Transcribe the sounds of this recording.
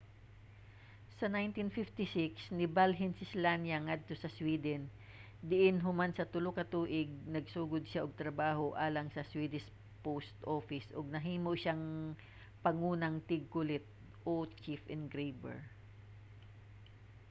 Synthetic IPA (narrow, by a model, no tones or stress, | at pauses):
sɐnajnt̪infɪft̪ɪsɪksnɪbalɦɛnsɪslanjɐŋad̪̚t̪osɐswiːd̪ɛn | d̪ɪʔɪnɦʊmansɐt̪ʊlokɐt̪uːʔɪɡ̚nɐɡsuːɡʊd̪̚ʃaʔoɡ̚t̪ɾɐbaːɦoʔaːlɐŋsɐswiːd̪ɪs | powst̪ʔoːfɪsʔoɡ̚nɐɦiːmoʔʃaŋ | pɐŋuːnɐŋt̪ɪɡ̚kʊlɪt̪̚ | ʔot͡ʃifʔɛnɡɾejbɛ̰ɹ